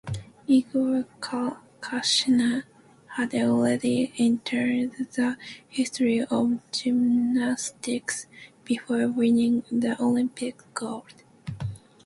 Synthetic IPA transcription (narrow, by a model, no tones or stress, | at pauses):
iɡə | kʰaʃnə | hɨdɔlˠɹɛdiɛ̃ntʰə˞d̪ðəhɪstɹiʔʌvd͡ʒɪmnastɪksb̥ɨfɔɹwɪ̃nɪ̃ŋðiʔolɪ̃mpɪkɡɔd̥